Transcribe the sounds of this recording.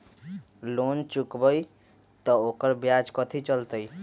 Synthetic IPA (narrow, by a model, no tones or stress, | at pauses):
lont͡ʃukbəj | t̪ɔokəɾbjad͡ʒkət̪ʰit͡ʃəlt̪əj